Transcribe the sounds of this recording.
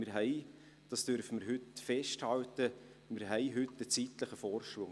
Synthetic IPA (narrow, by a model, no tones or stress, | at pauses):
mɪːɾɦɛɪ | d̥ɑsd̥øɾfəmɪɾɦʏtfɛʃthɑltə | mɪːɾɦɛɪɦʏtːət͡sitləχəfɔːɾʃʋʊŋ